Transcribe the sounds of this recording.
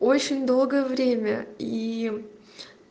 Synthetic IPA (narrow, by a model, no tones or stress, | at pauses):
o̞t͡ɕːɪnʲd̪o̞lˠɡəjəvɾʲemʲə̰i